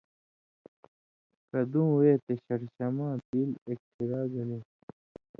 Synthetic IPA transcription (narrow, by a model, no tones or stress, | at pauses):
kɐd̪ũːweːt̪eɕɐɽɕɐmãːpiːlek̚t̪iɾaːɡɐlĩː